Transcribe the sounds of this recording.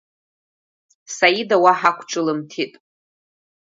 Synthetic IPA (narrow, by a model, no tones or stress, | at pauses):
sajidawaħakʷʰʈ͡ʂʼɨlɨmtʰitʼ